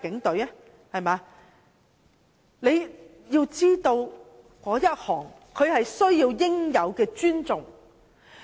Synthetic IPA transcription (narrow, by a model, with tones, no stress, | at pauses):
kɪ˨˥ŋt̪ɵ˨˥ɥɛ˥ | hɐ˨jmaː˨˧ | ne˨˧j | jiː˧wt͡siː˥t̪o˧w | kɔː˨˥jɐ˥t̚hɔː˨˩ŋ | kʰɵ˨˧ɥhɐ˨jsɵ˥ɥjiː˧wjɪ˥ŋjɐ˨˧wkɛː˧t͡ʃyː˥nt͡sʊ˨ŋ